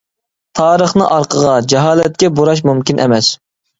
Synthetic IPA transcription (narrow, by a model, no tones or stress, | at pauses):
t̪ʰɑːɾəχnɨʔɑɾqʰəʁɑd͡ʒɛɦɑːlɛt̪̚kʲɛboɾɑʃ̬mumkʲinʔɛ̰mɛs